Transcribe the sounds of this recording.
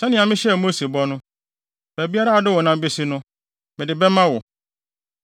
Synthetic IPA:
sɛ˦nɪ̃˨ã˨mɪ̃˦ɕɛ˦˨mo˦se˨bɔ˦nʊ̃˦ | fæ˨bi˦a˦ɾa˦a˨dɪ˦wɔ˨nã˦be˦si˦nʊ̃˦ | mɪ̃˨dɪ˨bɛ˦mã˦wɔ˨

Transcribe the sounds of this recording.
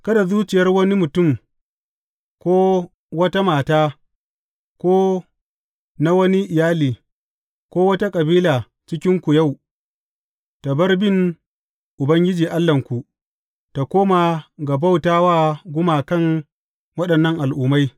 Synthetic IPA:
kɐ˦da˨zuː˦t͡ʃɪ˨jɐ˦rwɐ˦ni˦mʊ˨tʊ˦˨m | kʷoː˦ | wɐ˦ta˦maː˨taː˦ | kʷoː˦ | na˦wɐ˦ni˦ʔɪ˨jaː˦liː˨ | kʷoː˦wɐ˦ta˦kʼɐ˨biː˦laː˨ | t͡ʃɪ˦kʲɪ˦ŋkʷu˨ja˦˨w | ta˨bɐ˦rbɪ˦ŋ | ʔʊ˨bɐ˦ŋɡʲɪ˦d͡ʒiː˨ʔa˦lːɐ˨ŋkʷu˨ | ta˨koː˦ma˨ɡa˨ba˦wtaː˦waː˦ɡʷʊ˦maː˨kɐ˦˨ŋ | wɐ˦ɗɐ˨nːɐ˦ŋʔa˨lʔuː˨ma˦j

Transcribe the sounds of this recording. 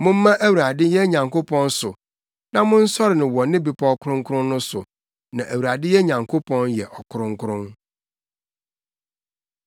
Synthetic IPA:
mʊ̃˦m̩ː˦ã˦ʔæ˦wu˨ɾa˨dɪ˦jɛ˦ɲã˨ŋko˦pʰɔ̃˦nsʊ˨ | nã˦mʊ̃˦n̩˦sɔ˦ɾɪ˨nɪ̃˨wɔ˨nɪ̃˦bi˨pʰɔ˦kʰʊ˦ɾʊ̃˦ŋkʰʊ˦ɾʊ̃˦n˦nʊ̃˦sʊ̰˨ | nã˨ʔæ˨wu˨ɾa˨dɪ˦jɛ˦ɲã˨ŋkʰo˦pʰɔ̃˦njɛ˨ʔɔ˨kʰʊ˦ɾʊ̃˦ŋ˦kʰʊ˦ɾʊ̃˦n

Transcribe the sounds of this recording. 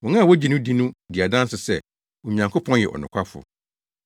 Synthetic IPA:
wɔ̃˨ŋã˦˨wo˦d͡ʑi˨nʊ̃˦di˦nũ˦dɪ˨a˨dã˦n˦sʊ˨sɛ˦˨ | ɔ˨ĩ˨ɲã˨ŋkʰʊ˦pʰɔ̃˦njɛ̰˨ʔɔ̰˨nʊ̰̃˨kʷʰa˦fʊ̰˨

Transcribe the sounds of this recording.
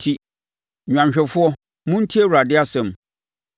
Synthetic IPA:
tʰi˦ | ɲᶣã˨mɕᶣɛ˨fʊ˦ɔ˦ | mʊ̃˦n̩˦tʰi˦e˦˨wu˨ɾa˨dɪ˦a˦sɛ̃˨m

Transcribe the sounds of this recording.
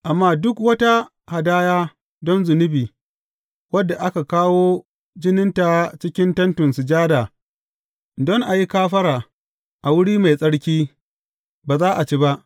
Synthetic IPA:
ʔa˨mːaː˦dʊ˦kwɐ˦ta˦ | ha˨daː˦jaː˦ | dɔ˦nzʊ˨nʊ˦biː˨ | wɐ˦dːa˨ʔa˦ka˨kaː˦woː˦ | d͡ʒɪ˦nɪ˦nta˨t͡ʃɪ˦kʲɪ˦ntɐ˦ntʊ˨nsʊ˨d͡ʒaː˦daː˨ | dɔ˦ŋʔa˨ji˦kaː˦ɸɐ˦ɽaː˨ | ʔa˨wʊ˦ɽiː˦ma˨jsʼɐ˦ɽkʲiː˦ | baː˨zaː˦ʔa˨t͡ʃeː˦ba˦ʔ

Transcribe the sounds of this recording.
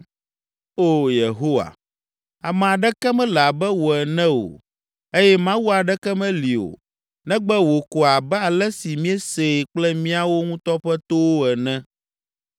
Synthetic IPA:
o˦je˨ɦo˦wa̰˨ | a˨mɛ̃˨a˨ɖɛ˦kɛ˦mɛ̃˦lɛ˨a˨bɛ˦wo˨ɛ˨nɛ̃˦o̰˨ | e˦jɛ˦mã˦wu˦a˨ɖɛ˦kɛ˦mɛ̃˦li˨o̰˨ | nɛ̃˦ɡ͡bɛ˦wo˨ko˨a˨bɛ˦a˨lɛ˦si˨mĩ˦ɛ˦se˨k͡plɛ˦mĩ˦a˦wo˦ŋũ˦t̪ɔ˦ɸɛ˦t̪o˦wo˦ɛ˨nɛ̃˦

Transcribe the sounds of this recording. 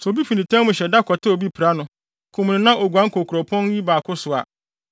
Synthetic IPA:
sɛ˨o˨bi˦fi˨nĩ˨tʰã˦mʊ̃˨ɕɛ˨da˦kʰɔ˨tʰɪ˦o˨bi˦pʰi˨ɾa˦nʊ̃˨ | kʰʊ̃˨m˨nɪ̃˨nã˦ʔo˨ɡʷu˨ã˦kʰo˨kʰɾɔ˨pʰɔ̃˦n˦ji˦baː˨kʰʊ˦sʊ˨a̰˨

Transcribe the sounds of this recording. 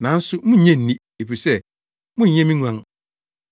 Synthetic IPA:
nã˨˦n̩˦sʊ˦mʊ̃˦˨ɲɛ̃˦n̩˨nĩ˦ | e˨fi˨sɛ˦ | mʊ̃˦ɲ̩˨ɲɛ̃˦mĩ˦nũ˨ã˨ŋ

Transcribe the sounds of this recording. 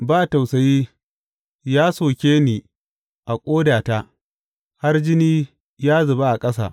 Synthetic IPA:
baː˦˨ta˨wsɐ˨jiː˦ | jaː˦soː˨kʲeː˦niː˨ | ʔa˨kʷʼoː˦daː˨ta˦ | ha˦rd͡ʒɪ˦niː˦ | jaː˦zʊ˨ba˦ʔa˨kʼɐ˦s̬a̰˨ʔ

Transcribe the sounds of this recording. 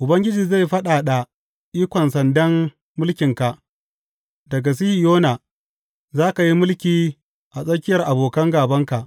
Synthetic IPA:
ʔʊ˨bɐ˦ŋɡʲɪ˦d͡ʒiː˨za˦˨jɸɐ˦ɗaː˨ɗa˨ | ʔiː˦kʷɔ˨nsɐ˨ndɐ˦mː | ʊ˦lkʲɪ˨ŋka˨ʔ | dɐ˨ɡa˨s̬i˦hi˨joː˦na˨ | zaː˦ka˨ji˦mʊ˦lkʲiː˨ | ʔa˨sʼɐ˦kʲɪ˦jɐ˨rʔa˨boː˨kɐ˦ŋɡaː˨bɐ˦ŋka˨ʔ

